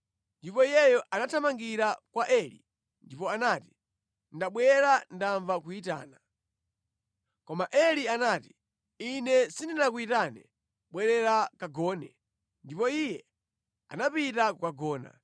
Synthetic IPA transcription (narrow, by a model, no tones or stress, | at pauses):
ndipɔijɛjɔʔanatʰamaŋɡiɾakwaʔɛlḭ | ndipɔanati̥ | ndaɓwɛɾandaɱvakuita̰ːna | kɔmaʔɛlianati̥ | inɛsindinak̬uitanɛ | ɓwɛɾɛɾakaɡɔːnɛ | ndipɔijɛ | a̰napitakukaɡɔːna̰